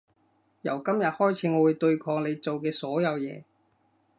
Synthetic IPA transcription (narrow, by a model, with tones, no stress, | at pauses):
jɐ˨˩wkɐ˥mjɐ˨t̚hɔː˥jt͡sʰiː˨˥ŋɔː˨˧wu˨˧jt̪ɵ˧ɥkʰɔː˧ŋle˨˧jt͡so˨wkɛː˧sɔː˨˥jɐ˨˧wjɛ̰ː˨˧